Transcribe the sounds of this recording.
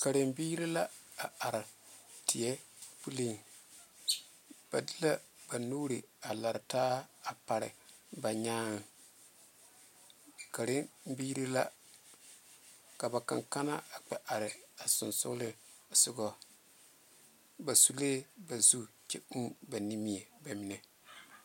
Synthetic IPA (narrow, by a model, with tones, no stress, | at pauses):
ka˨ɾɪ˨mbiː˦ɾi˦la˦a˨a˨ɾɪ˨tɪ˨jɛ˦pu˦li˦ŋ | b̥a˨di˦la˦ba˨nuː˦ɾi˨a˨la˨ɾɪ˨taː˦a˨pa˨ɾɪ̰˨ | ba˨ɲaː˦ŋ˨ | ka˨ɾɪ˦nm˦biː˦ɾi˦la˦ | ka˨ba˨ka˨ŋka˦na˦a˨k͡pɛ˦˨ʔa˨ɾɪ˨a˨sʊ˨nsʊ̰˦lɪ˦ | sʊ˨ɡɔ˦˨ | ba˨su˨leː˦ba˨zu˦t͡ʃɛ˦ʔu˦ba˨ni˦mi˦˨ɛ˨ba˨mi˨nɛ˨